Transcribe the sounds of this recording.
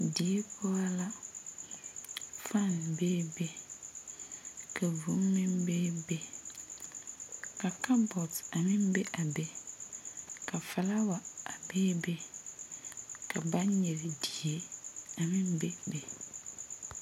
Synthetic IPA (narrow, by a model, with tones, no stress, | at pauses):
di˨e˦pʰɔ˦a˦la˦ | fa˦˨n˨beː˦be˦ | ka˨vu˨˦m˦mɪ̃˦mbeː˦be˦ | ka˨ka˦bɔ˨ta˨mɪ̃˦m˦be˦ʔa˨be˦ | ka˨fa˨la˦wa˨a˨beː˦be˦ | ka˨ba˦n˦ɲɛ˨ɾe˨di˨e˦a˨mɪ̃˦m˦be˦be˨